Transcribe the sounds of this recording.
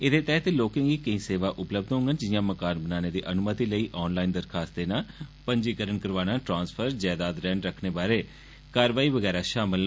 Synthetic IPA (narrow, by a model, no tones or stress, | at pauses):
ɪd̪eːt̪ɛːt̪eloːkɪ̃ŋɡiːkəĩːseːʋaːʔʊpləb̚d̪ɦõŋɡənd͡ʒɪjãːməkaːnbənaːneːd̪iːʔənʊmət̪iːləiːʔɔːnlaːind̪əɾkʰaːst̪eːnaːpəɲd͡ʒiːkəɾəɳkəɾʋaːñãːʈɾãːnspʰəɾd͡ʒɛːd̪aːd̪ɾɛ̃ːɳɖɾəkʰneːbaːɾeː | kaːɾʋaːiːʋəɡɛːɾaːʃaːmɪl